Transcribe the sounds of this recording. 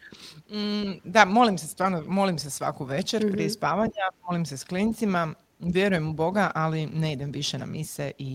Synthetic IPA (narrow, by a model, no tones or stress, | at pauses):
d̪amo̞limsest̪ʋaːɾnomo̞limsesʋa̰koʋe̞t͡ʃeɾpɾiespaːʋaɲamo̞limsesklint̪sima | ʋje̞ɾujemubo̞ɡaʔalineid̪e̞mʋiʃena̰miseʔi